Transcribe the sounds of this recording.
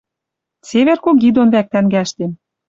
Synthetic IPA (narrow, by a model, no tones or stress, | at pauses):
seβerkokid̪onβæk̚t̪æŋɡæʃt̪em